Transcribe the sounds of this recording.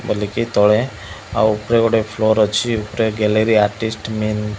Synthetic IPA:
bəlikit̪ɔɭe | a̰upɾeoɽepʰloɾɔt͡ʃʰiupɾeɡɛleɾiaɾʈisʈmen

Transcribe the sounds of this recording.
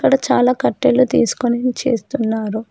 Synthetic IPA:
kːɐɽɐt͡ʃaːlaːkɐʈːelːut̪ḭːsu̥konit͡ʃe̞̰ːst̪unːaːɾu

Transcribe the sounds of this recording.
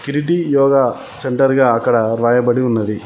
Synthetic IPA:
kiɾiʈijɔːɡa | seɳʈɐɾiɡɐaːkɐɽɐɾaːjɐbɐɽiunːɐd̪i

